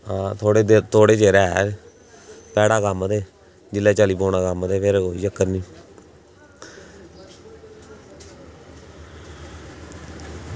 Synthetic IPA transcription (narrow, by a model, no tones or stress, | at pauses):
aːt̪ʰoːɽeːd̪et̪ʰoːɽeːd͡ʒeːɾɛː | pɛːɽaːkamd̪eː | d͡ʒɪlːɛːt͡ʃaːliːpoːɳaːkamd̪eːpeːɾkoːid͡ʒəkːəɾniː